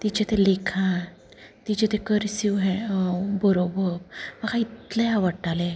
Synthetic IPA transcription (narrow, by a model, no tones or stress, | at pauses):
t̪it͡ɕet̪elekʰã | t̪it͡ɕet̪ekəɾsiwɦɛ̃bəɾobəɾpmakãit̪leaʋəɽʈale